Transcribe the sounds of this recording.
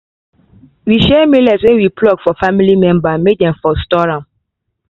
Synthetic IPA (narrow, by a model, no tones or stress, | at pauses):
wiʃɛmilaswɛ̃nwiplɔɡfɔfamilimɛ̃mbamek̚dɛ̃mfɔstɔɹãm